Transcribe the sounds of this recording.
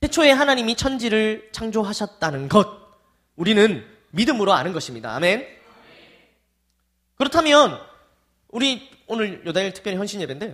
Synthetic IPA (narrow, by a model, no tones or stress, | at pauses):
sʰe̞t͡ɕʰoe̞ɦanaɲimit͡ɕʰʌnd͡ʑiɾɯɭt͡ɕʰaŋd͡ʑoɦaɕʰʌt̚t͈anɯnɡʌd̚ | uɾinɯn | midɯmɯɾoa̰nɯnɡʌɕʰimɲida̰a̰me̞n | kɯɾʌtʰamjʌn | uɾi | onɯɭjodaiɭtʰɯ̥k̚p͈jʌɾiçjʌnɕʰinːjebende